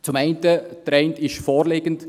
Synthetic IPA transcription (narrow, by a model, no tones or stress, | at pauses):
t͡sʊmɛɪntətɾɛntɪʃfoːɾleːɡ̥ənt